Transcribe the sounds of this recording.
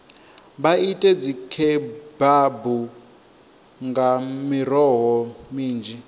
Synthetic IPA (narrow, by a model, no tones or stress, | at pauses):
βaitʼɛd͡zikʰɛbabu | ŋɡamiɾɔɦɔmiːnd͡ʒi